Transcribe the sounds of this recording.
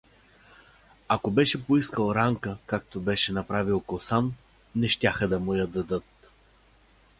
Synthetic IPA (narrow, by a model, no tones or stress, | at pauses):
akobɛʃɛpoiskəlˠɾaŋkəkak̚t̪obɛʃɛnɐpɾavilˠkosanː | ɛʃt̪ʲaxəd̪ɐmʊjɐd̪ɐd̪ɤt̪